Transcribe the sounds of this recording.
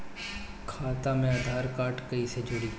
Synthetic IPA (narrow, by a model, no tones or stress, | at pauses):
kʰaːt̪aːmẽɐd̪ʱaːɾkaːʈkəised͡ʒʊɽi